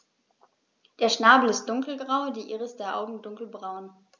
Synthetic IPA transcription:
d̥eːɐʃnaːbl̩ɪst̚d̥ʊŋkl̩ɡʁaʊdiːʔiːʁəsd̥eːɐʔa̰ʊɡŋ̩dʊŋkl̩bʁaʊn

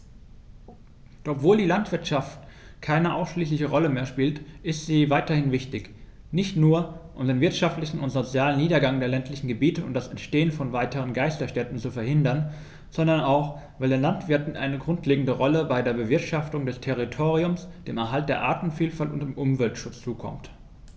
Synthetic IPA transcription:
d̥ɔpvoːldiːlantv̥ɪɐtʃaft | kʰaɪnəʔaʊsʃliːslɪçəʁɔləmeːɐʃpiːltʔɪstz̥iːvaɪtɐhɪnvɪçtɪç | nɪçtnuːɐʔʊmdeːnvɪɐtʃaftlɪçn̩ʊntz̥ot͡sjaːləniːdɐɡaŋdeːɐlɛntlɪçn̩ɡəbiːtəʊ̰ntd̥asɛntʃteːənfɔnvaɪtəʁ̞ənɡaɪstɐʃtɛtn̩t͡sufɛɐhɪndɐn | z̥ɔndɐnaʊx | vaɪldeːnlantv̥ɪɐtn̩ʔa̰ɪnəɡʁʊntʰleːɡŋ̩dəʁɔləbaɪdeːɐbəvɪɐtʃaftʊŋdɛstʰɛʁitʰoːʁiʊmsd̥eːmɛɐɦalt̚d̥eːɐʔaːtn̩fiːlfaltʊntd̥eːmʔʊmvɛltʃʊt͡st͡suːkʰɔ̰mt

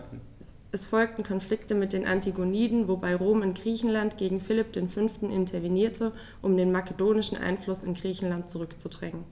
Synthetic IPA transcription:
ʔɛsfɔlk̚tn̩kʰɔnfl̥ɪktəmɪt̚d̥eːnʔa̰ntiɡoniːdn̩vobaɪʁoːmɪnɡ̥ʁiːçn̩lantɡ̥eːɡŋ̩fɪlɪp̚d̥eːnfʏnftn̩ʔɪntʰɐveniːɐtʰə | ʔʊmdeːnmakədoːnɪʃn̩ʔa̰ɪnflʊsɪnɡʁiːçn̩lant̚t͡suʁʏkt͡sudʁɛŋən

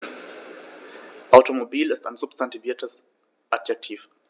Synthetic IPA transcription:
ʔaʊtomobiːlɪstaɪnzʊpstʰantiviːɐtʰəs | ʔatjɛk̚tʰiːf

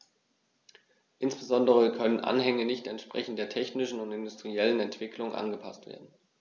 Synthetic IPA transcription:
ʔɪnsb̥əzɔndəʁ̞əkʰœnənʔa̰nɦɛŋənɪçtɛntʃpʁ̥ɛ̰çn̩t̚d̥eːɐtʰɛçnɪʃn̩ʊntɪndʊstʁ̥iɛlənɛntv̥ɪkʰlʊŋʔa̰nɡəpʰastv̥ḛːɐdn̩

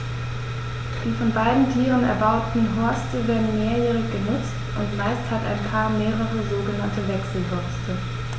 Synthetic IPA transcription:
d̥iːfɔnbaɪdn̩tʰiːʁənɛ̰ɐbaʊtn̩ɦɔɐstʰəveːɐdn̩meːɐjɛːʁɪçɡ̥ənʊt͡stʔʊntmaɪsthata̰ɪnpʰaːɐmeːʁəʁəzoːɡənantəvɛksl̩ɦɔɐstʰə

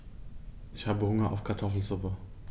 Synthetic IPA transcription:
ʔɪçhaːbəhʊŋɐʔa̰ʊfkʰaɐtʰɔfl̩zʊpə

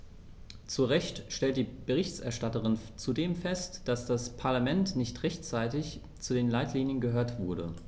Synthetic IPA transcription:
t͡suʁɛçtʃtɛlt̚d̥iːb̥əʁɪçtɛɐʃtatəʁɪnt͡sudeːmfɛstd̥asd̥aspʰaɐlamɛntnɪçtʁɛçt͡saɪtɪç | t͡sudeːnlaɪtʰliːnjənɡəɦøːɐtv̥ʊɐɾə̰

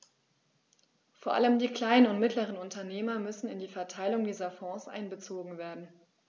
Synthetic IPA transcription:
foːɐʔa̰ləmdiːkl̥aɪnənʊntmɪtləʁ̞ənʊntɐneːmɐmʏsn̩ɪndiːfɛɐtʰaɪlʊŋdiːzɐfɔ̃ːsʔa̰ɪnbət͡soːɡŋ̩veːɐdn̩

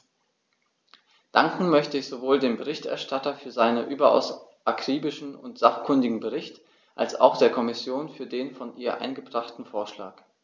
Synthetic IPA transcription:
d̥aŋkŋ̩mœçtəɪçz̥ovoːldeːmbəʁ̞ɪçtʔɛ̰ɐʃtatɐfyːɐzaɪnənʔyːbɐʔa̰ʊsʔakʁ̥iːbɪʃn̩ʊ̰ntz̥aχkʰʏndɪɡŋ̩bəʁ̞ɪçt | ʔa̰lsa̰ʊxd̥eːɐkʰɔmɪsjoːnfyːɐdeːnfɔnʔiːɐʔa̰ɪnɡəbʁaχtn̩foːɐʃla̰ːk

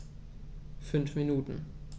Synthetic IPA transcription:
fʏnfminuːtn̩

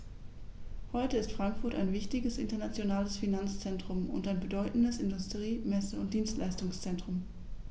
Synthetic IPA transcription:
hɔʏtəɪstfʁ̥aŋkfʊɐta̰ɪnvɪçtɪɡəsʔɪ̰ntɐnat͡sjonaːləsfinant͡st͡sɛntʁ̥ʊmʊ̰ntaɪnbədɔʏtn̩dəsɪndʊstʁ̥iːmɛsəʊnt̚d̥iːnstlaɪstʊŋst͡sɛntʁ̥ʊm

